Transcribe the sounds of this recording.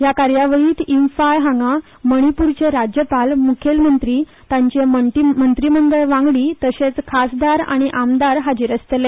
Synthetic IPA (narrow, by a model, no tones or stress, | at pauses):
jakaɾjaʋəɭiːt̪infajɦaŋɡa | məɽ̃ipuɾt͡ɕeɾad͡ʑjəpalmukʰelmənt̪ɾiː | t̪ãɲt͡ɕeməmənt̪ɾiməŋɡəɭʋãŋɡɭiːt̪əɕet͡skʰasd̪aɾa̰ɽ̃iʔamd̪aɾɦad͡ʑiːɾəst̪le